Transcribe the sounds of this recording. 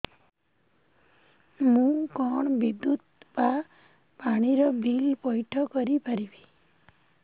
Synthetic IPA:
mũkɔɳbid̪ut̪̚pa | paɽ̃iɾɔbʱilpɔjʈʰɔkɔɾipaɾibi

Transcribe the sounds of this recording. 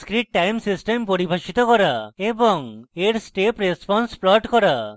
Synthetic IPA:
skɾiʈ̚ʈajmsisʈempoɾibʱaʃit̪okɔɾaeboŋeɾsʈepɾespɔnsplɔʈkɔɾa

